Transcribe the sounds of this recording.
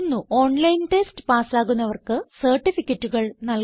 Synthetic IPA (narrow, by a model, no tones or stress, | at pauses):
nːuʔo̞ːɳlɐjnʈestɨ̥paːsaːɣunːɐʋɐrkɨsɐrʈːifikʲːɐtːuɣɐɭnɐl